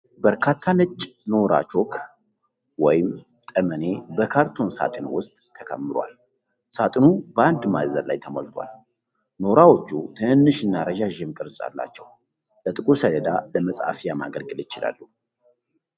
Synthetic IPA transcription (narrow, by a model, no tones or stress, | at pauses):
bəɾkʰat̪ʰːanɨt͡ʃʼːno̞ɾa̰t͡ʃo̞kʰ | wɔjɪm | t̪ʼəməne̞bəkʰaɾt̪ʰonsa̰t̪ʼɨnwʊst̪ʼːʰəkʰə̰mːɨɾoa̰l | sat̪ʼɨnubəand̪mazəɾla̰jt̪ʰəmolt̪ʰwa̰l | no̞ɾawo̞t͡ʃːut̪ʰɨɨnːɨʃɨnːaɾəʒaʒɛmkʼɨɾsʼa̰lːa̰t͡ʃːɛw | lət̪ʼɨkʼuɾsəd̪əd̪aləməsʼa̰fijamaɡəlɡɨlɪt͡ʃɪla̰lːu